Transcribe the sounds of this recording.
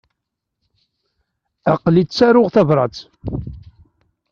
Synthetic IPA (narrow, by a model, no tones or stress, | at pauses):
aqlisæɾʊʁθævɾˤɑt͡s